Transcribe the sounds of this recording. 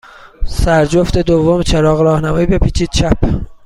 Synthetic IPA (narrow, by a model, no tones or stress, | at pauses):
sæɾd͡ʒoft̪e̞d̪ovːomt͡ʃʰeɾɒːɣɾɒːhnæmɒːiːbe̞pʰiːt͡ʃʰiːd̪̥̚t͡ʃʰæpʰ